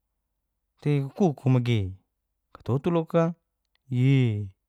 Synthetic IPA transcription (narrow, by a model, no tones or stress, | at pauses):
t̪ekukukʰumaɡe | kḁt̪ot̪uloka | ji